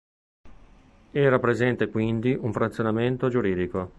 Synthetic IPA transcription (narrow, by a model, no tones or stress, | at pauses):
ɛːɾapɾezɛnt̪ekwind̪iʔuɱfɾat̪sːjonament̪od͡ʒuɾiːd̪iko